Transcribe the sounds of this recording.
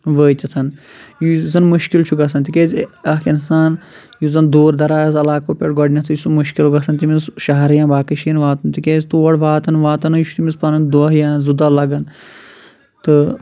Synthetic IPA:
ʋəːt̪it̪ʰɐn | juzɐnmuʃkilt͡ʃʰuɡɐsɐnt̪ikʲeːzʲɐkinsaːn | juzɐnd̪oːɾd̪ɐɾaːjɐsɐlaːkoːpʲeʈɡɔɖnʲɐt̪ʰjusumuʃkilɡɐsɐnt̪imisʃɐɦɐɾjãːbaːkiʃinʋaːt̪ɐnt̪ikeːzʲt̪uːʋɐɽʋaːt̪ɐnʋaːt̪ɐnjuʃʰut̪imispɐnɐnd̪oɦjãːnzud̪alɐɡɐn | t̪ɨ

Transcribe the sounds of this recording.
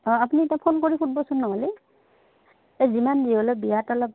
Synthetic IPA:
ɔapuniɛtapʰonkoɹipʰut̚bɔsʊnːɔɦɔle | ezimandiɔlɔbijatɔlɔp̚

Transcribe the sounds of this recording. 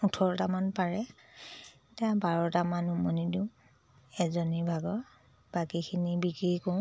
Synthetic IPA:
utʰɔɹtamanpaɹɛ | tãbaɹɔtamanumɔnidiʊ̃ | ɛzɔnibʱaɡɔ | bakikʰinibikɹikõ

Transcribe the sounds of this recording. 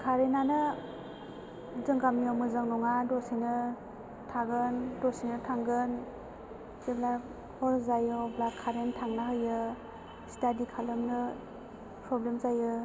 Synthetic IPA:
kʰaɾenanɯ | zɯŋɡamiɔmɯzaŋnɔŋadɔsinɯ | tʰaɡɯndɔsinɯtʰaŋɡɯn | zebla | hɔɾzajɯblakʰːaɾentʰaŋnaɦɯjɯ | stadikʰalɯmnɯ | pɾɔblemzajɯ

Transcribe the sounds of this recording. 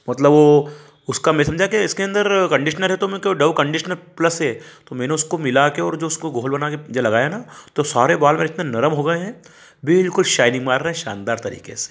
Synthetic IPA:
mɐt̪ləbʋo | ʊskamɛ̃sɐmd͡ʒʱakeɪskeɐ̃nd̪əɾkɐ̃ɳɖɪʃənəlɦɛt̪omɛ̃keɖɐʋkɐ̃ɳɖɪʃnəlpləsɦɛt̪omɛ̃ːneʊskomɪlakeɔːɾd͡ʒoːʊskoɡʱoːlbɐnaked͡ʒalɐɡaːjanat̪osaːɾebaːlmẽɪt̪nenɐɾəmɦoɡɐeɦɛ̃ | bɪlkʊlʃaːɪnĩmaːɾːɦɛ̃ʃa̰ːnd̪aːɾt̪ɐɾḭːkḛse̥ː

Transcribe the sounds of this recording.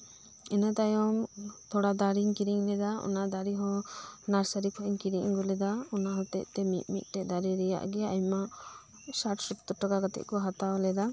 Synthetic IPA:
ɛnat̪ajɔmt̪ʰɔɽad̪aɾiɲkiɾiŋlɛd̪aɔ̰nad̪aɾiɦɔ̃naɾsəɾikʰɔʔɲkiɾiʔɡɔlɛd̪aɔnaɦɔt̪ɛc̚t̪ɛmit̪̚mit̪̚ˀʈɛd̪aɾiɾɛja̰ʔɡɛaɲma | saʈsupt̪ɔʈakaɡat̪ɛ̰c̚kɔɦat̪aɔlɛd̪a

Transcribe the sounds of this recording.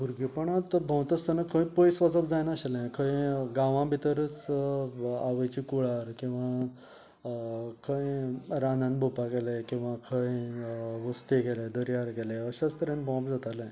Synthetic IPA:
bʱuɾɡipəɳat̪bʱə̃wt̪əst̪ənəkʰə̃j̃pəjsʋad͡zəbd͡zajnaɕalɛ̃kʰə̃jɡaʋãbʱit̪əɾət͡s | aʋəjt͡ɕikuɭaɾkĩw̃ʋa | kʰə̃jɾanãnbʱopakelẽkĩw̃ʋãkʰə̃jʋəst̪eɡeled̪əɾjaɾɡelɛəɕast̪əɾẽnbɔ̃pd͡zat̪alɛ̃

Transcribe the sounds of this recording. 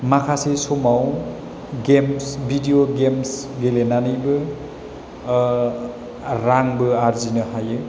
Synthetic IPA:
makʰasesomaw | ɡemsbʱidijoɡemsɡelenanibɯ | ɾaŋbɯaɾzinɯhajɯ

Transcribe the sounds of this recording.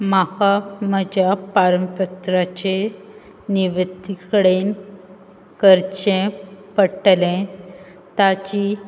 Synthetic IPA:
makaməd͡ʑapaɾəmpət̪ɾat͡ɕe | niʋəd̪ikəɽen | kəɾt͡ɕẽpəʈlẽ | t̪at͡ɕi

